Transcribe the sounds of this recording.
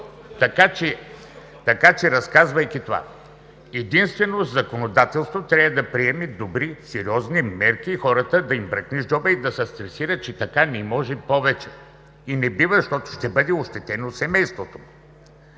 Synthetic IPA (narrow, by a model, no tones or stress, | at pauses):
t̪ɐkat͡ʃɛ | t̪ɐkat͡ʃɛɾɐskazvɐjkʲit̪ova̰ | ɛd̪inst̪vɛnozɐkonod̪at̪ɛlˠst̪vot̪ɾʲavɐd̪ɐpɾiɛmid̪obɾisɛɾiɔznimɛɾk̟iːxɔɾət̪əd̪ɐimbɾɐkniʒd͡ʒɔbəid̪ɐsɛst̪ɾɛsiɾət͡ʃɛt̪ɐkanɛmɔʒɛpɔvɛt͡ʃɛ | inɛbivəʃt̪ɔt̪ʊ̥ʃt̪ɛbɤd̪ɛoʃt̪ɛt̪ɛnosɛmɛjst̪vot̪o̥